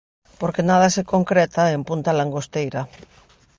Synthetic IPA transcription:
poɾkenað̞asekoŋkɾet̪aempunt̪alaŋɡost̪ejɾa

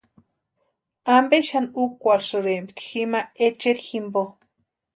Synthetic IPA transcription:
ambeʃanukʷaɾʂɨɾembikximaet͡ʃeɾiximbo

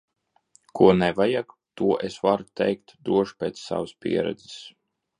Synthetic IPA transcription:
kʰuɔnɛvajak | t̪uɔʔesvaɾt̪ɛ̰jk̚t̪d̪ɾuɔʃpʲɛːt̪ssa̰vɨspʲḭɛɾɛ̰d̪zɪs

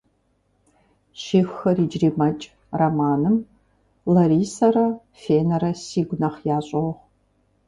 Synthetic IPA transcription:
ʃixːɐriːd͡ʒriːmɐt͡ʃʼ | rɐmaːnɨm | lɐɾiːsɐrɐ | feːnɐɾɐsiːɡʷʊnɐχjaːɕʼɐwɔʁ

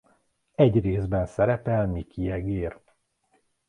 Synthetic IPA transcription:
ɛɟreːzbɛnsɛɾɛpɛlmikʰiɛɡeːr

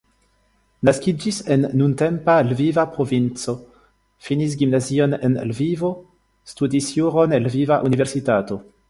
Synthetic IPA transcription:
naskid͡ʒisenːuntempalvivapɾovint͡so̞ | finis̬ɡimnazio̞nḛnlvivo | studisjuʁonelvivaʔuniveɾsitato̞

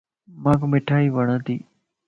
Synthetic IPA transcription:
mãːkmɪʈʰaːiːʋəɽ̃ə̃t̪ḭː

